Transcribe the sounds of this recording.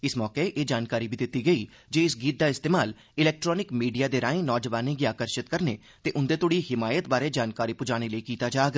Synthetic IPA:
ɪsmɔːkeʔeːd͡ʒaːnkaːɾiːbʱiːd̪ɪt̪ːiːɡəiː | d͡ʒeːɪsɡiːt̪̚d̪aːɪst̪eːmaːl | ɪlɛːk̚ʈɾɔːnɪkmiːɖijaːd̪eːɾaːẽːnɔːd͡ʒəʋaːnẽːɡiːaːkəɾʃɪt̪kəɾnḛː | t̪eːʔʊnd̪eːt̪ʊɽiːhɪmaːjət̪̚baːɾeːd͡ʒaːnkaːɾiːpʊd͡ʒaːɽ̃eləikiːt̪aːd͡ʒaːɡ

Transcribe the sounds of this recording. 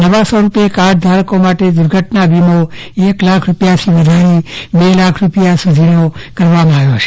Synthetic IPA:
nəʋasəɾupjekaɽd̪ʱaɾkomaʈed̪uɾɡʱəʈnabimo | eklakʰɾupjaʃiʋəd̪ʱaɾibelakʰɾupjasud̪ʱinokəɾʋamãaʋjot͡ʃʰe̥

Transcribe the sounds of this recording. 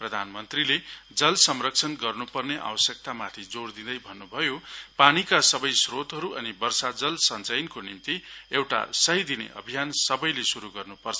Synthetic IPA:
prʌd̪ʱanmʌnt̪riled͡zʌlsʌmrʌk̚t͡sʰʌnɡʌrnupʌrneʔa̰wʌsjʌk̚t̪amat̪ʰid͡zoɽd̪id̪ʌjbʱʌnːubʱʌjopanikasʌbʌjsrot̪ɦʌɾuʔʌnibʌrsad͡zʌlsʌnt͡sʌjnkonimt̪iewʈa̰sʌɦid̪inḛʔʌ̰bʱijansʌbʌjlesuɾuɡʌrnupʌrt͡sʰʌ̥

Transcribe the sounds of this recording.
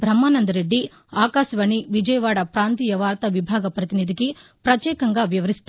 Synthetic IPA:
bʱɾɐmːaːnɐnd̪ɐɾe̞ɖːi | aːkaːʃɐʋɐːɳiʋid͡ʒɐjɐʋaːɽɐpɾaːnt̪iːjɐʋaːɾt̪ɐʋibʱaːɡɐpɾɐt̪inid̪ikipɾɐt̪jɛːkɐŋɡaːʋjɐʋɐɾist̪u

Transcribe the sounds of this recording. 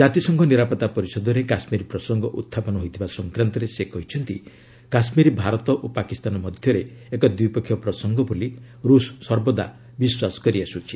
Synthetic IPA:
d͡ʒat̪isɔŋkʰɔniɾapɔt̪apɔɾisɔd̪ɔɾekasmiɾipɾɔsɔŋɡɔʔut̪ʰːapɔnɔɦojt̪ʰibasɔŋkɾant̪ɔɾesekɔɦit͡ʃʰɔnt̪ḭ | kasmiɾibʱaɾɔt̪ɔʔopakist̪anɔmɔd̪ʱjɔɾeekɔd̪upɔkʰːjɔpɾɔsɔŋɡɔboli | ɾusːɔɾbɔd̪a̰ | biswasɔ̥kɔɾiasut͡ʃʰi

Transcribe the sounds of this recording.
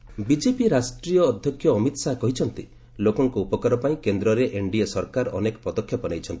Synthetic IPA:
bid͡ʒepiɾasʈɾijɔːd̪ʱjɔkʰːjɔːmit̪sakɔɦit͡ʃʰɔnt̪i | lokɔŋkuupɔkaɾɔpaĩkend̪ɾɔɾeʔeɳɖiesɔɾkaɾɔnekɔpɔd̪ɔkʰːjɔpɔnajt͡ʃʰɔnt̪i̥

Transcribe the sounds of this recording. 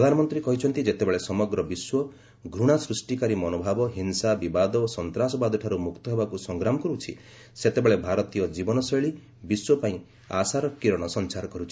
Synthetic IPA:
pɾɔd̪ʱanɔmɔnt̪ɾikɔɦit͡ʃʰɔnt̪id͡ʒet̪ebeɭesɔmɔɡɾɔbiswɔ | ɡʱɾuɽ̃asɾusʈikaɾimɔnobʱabɔɦinsabibad̪ɔsɔnt̪ɾasɔbad̪ʱɔʈʰaɾumukt̪ɔɦebakusɔŋɡɾamɔkɔɾut͡ʃʰḭ | set̪ebeɭebʱaɾɔt̪ijɔd͡ʒibɔnɔsɔjɭi | biswɔpaĩ | a̰saɾɔkiɾɔɽ̃ɔsɔnt͡ʃaɾɔkɔɾut͡ʃʰi̥

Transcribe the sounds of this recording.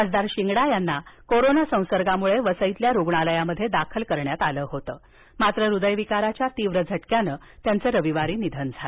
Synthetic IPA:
ad͡zd̪aɾɕiŋɡɽajanːakoɾonasə̃w̃səɾɡamuɭeʋəsəjit̪ljaɾoɡɳaləjaməd̪ʱːjed̪akʰəlkəɾɳjat̪aləːɦot̪əː | mat̪ɾəɾud̪əjʋikaɾat͡ɕjat̪iʋɾəd͡zʱəʈkjanəː | t̪jant͡səːɾəʋiʋaɾiːnid̪ʱənd͡zʱal

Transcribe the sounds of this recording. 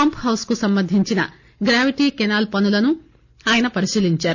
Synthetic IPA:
ɐmpɦɐwskusɐmbɐnd̪ʱiɲt͡ʃinɐ̰ | ɡɾaːʋiʈiːkɛnaːlpɐnulɐnu | aːjɐnɐpɐɾiʃiːliɲt͡ʃaːɾu

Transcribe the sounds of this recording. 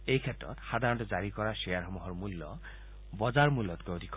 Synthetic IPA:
ejkʰetɹɔ̰t̪xad̪ʱaɾɔntɔd͡ʒaɾikɔɾasejaɾɦɔmuɦɔɹmulːɔ | bɔzaɹmulːɔt̪kood̪ʱik

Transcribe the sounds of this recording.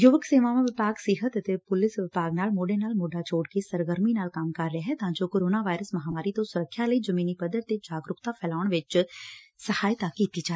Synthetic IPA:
jʊʋəkseːʋaʋãʋɪpaːɡsɪɦət̪ət̪epʊlɪsʋɪpaːɡnaːlmoːɖenaːlmoːɖat͡ʃoːɽkesəɾɡəɾminaːlkaːmkɐɾːəeɦɛt̪aãd͡ʒoːkoːɾoːnaʋaːɪɾəsmɐɦaːmaːɾit̪õsʊɾəkʰːjaləid͡ʒəmiːnipəd̪əɾt̪ed͡ʒaːɡɾʊkt̪apʰɛːlaːʊɳ̃ʋɪt͡ʃ | səhaːjt̪akiːt̪id͡ʒaː

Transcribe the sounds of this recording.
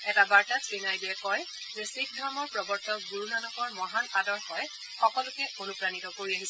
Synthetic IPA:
ɛtabaɹtatʰɹinajdiɛkɔj | zɛsik̚dʱamɔɹpɹɔbɔɹtʰɔk̚ɡuɹunanɔkɔɹmɔɦanadɔɹxɔj | xɔkɔlʊkɛonupɹanitɔkoɹiaɦis

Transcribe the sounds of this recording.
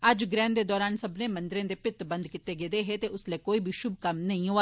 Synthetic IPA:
əd͡ʒɡɾɛ̃ːnd̪eːd̪ɔːɾaːnsəbneːmənd̪ɪɾẽːd̪eːpɪt̪bənd̪kɪt̪ːeːɡeːd̪eːɦeːt̪eːʊsleːkoːiːbʱiːʃʊb̚kəmnəɦĩːɦoːa

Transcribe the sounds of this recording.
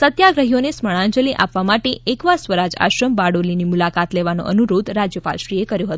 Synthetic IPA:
sət̪jaɡɾəɦijonesməɭ̃ãnd͡ʒəliʔa̰pʋamaʈeʔekʋasʋəɾad͡ʒa̰ʃɾəmbaɽolinimulakat̪leʋano̰ʔənuɾod̪ɾad͡ʒjəpa̰lʃɾijekəɾjõɦət̪

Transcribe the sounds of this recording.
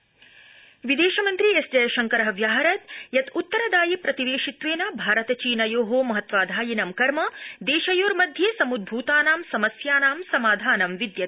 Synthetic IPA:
ʋid̪eːʃɐmɐnt̪ɾiesd͡ʒɐjɐʃɐŋkɐɾɐɦɐʋjaːɦɐɾɐt̪jɐt̪ut̪ːɐɾɐd̪aːjipɾɐt̪iʋeːʂit̪ʋeːnɐbʱaːɾɐt̪ɐt͡ʃiːnɐjoːɦoːmɐɦɐt̪ʋaːd̪ʱaːjinɐmkɐɾmɐd̪eːʃɐjoːɾmɐd̪ʱjeːsɐmud̪̚bʱuːt̪aːnaːmsɐmɐsjaːnaːmsɐmaːd̪ʱaːnɐmʋid̪jɐt̪

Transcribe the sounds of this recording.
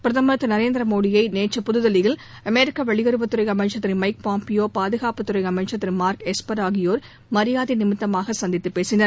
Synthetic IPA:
pɪɾɐðɐmɐɐt̪ːɯnɐɾeːnd̪ɾɐmoːɽɪjɐɪneːt͡ʃːɐpʊðɯðɐlɪɣɪl | ɐmeːɾɪkːɐʋɐɭɪjɐɾɯʋɐt̪ːʊɾɐɪjɐmɐt͡ʃːɐt̪ːɪɾmɐɪk̚paːmpɪjoːpaːðɯɣaːpɐt̪ːʊɾɐɪɐmɐt͡ʃːɐt̪ːɪɾmaːɾkɛspɐɾaːɣɪjoːɾ | mɐɾɪjaːðinɪmɪt̪ːɐmaːɣɐsɐnd̪ɪt̪ːɯpːeːsɪnɐɾ

